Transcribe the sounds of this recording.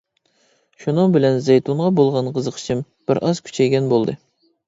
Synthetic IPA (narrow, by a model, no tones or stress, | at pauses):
ʃunɨŋbɪlɛnzejt̪uɴʁɑbolˠʁɑnqʰəzəqʰə̥t͡ʃʰɨm | b̥ɪɾʔɑzkʲʰy̥t͡ʃʰɛjɡʲɛnbolˠd̪ɨ